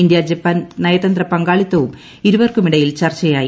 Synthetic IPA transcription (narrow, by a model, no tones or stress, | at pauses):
ind̪jad͡ʑepːɐnnɐjɐt̪ɐnd̪rɐpɐŋɡaːɭit̪ːɐʋum | iɾuʋɐrkumiɽɐjilt͡ɕɐrt͡ɕːɐjaːji